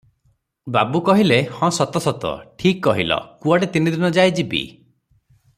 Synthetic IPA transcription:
babukɔɦilehɔ̃sɔt̪ɔsɔt̪ɔ̰ʈʰikːɔɦilɔ̰kuaɽet̪inid̪inɔd͡ʒajd͡ʒibḭ

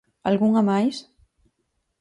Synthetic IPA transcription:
alɣuŋamajs

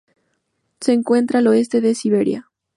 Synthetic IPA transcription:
se̞ːŋkwe̞nt̪ɾalo̞e̞st̪e̞ðe̞siβe̞ɾja̰

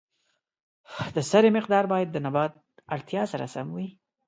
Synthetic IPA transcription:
d̪əsaɾemɪqd̪ɑɾbɑjad̪̚ːənabɑd̪̚ | aɽt̪jɑsaɾa̰samwi

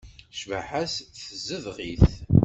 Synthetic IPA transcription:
ʃvaħæsθθəzːəðʁiθ

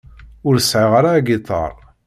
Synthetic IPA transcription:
ʊɾsʕɪʁaɾaːɡit̪ˤːɑ̰ɾˤ

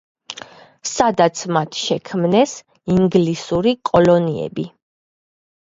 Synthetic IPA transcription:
sad̪at̪sʰmat̪ʰʃɛkʰmnɛs | iŋɡlisuɾikʼɔlɔniɛ̰bi

